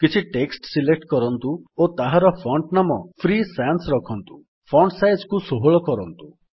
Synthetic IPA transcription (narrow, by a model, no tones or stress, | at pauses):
kit͡ʃʰiʈeksʈsilek̚ʈkɔɾɔnt̪uot̪aɦaɾɔpʰɔɳʈnamɔpʰɾisansɾɔkʰɔnt̪u | pʰɔɳɖʈsajzkusoɦoɭɔkɔɾɔnt̪u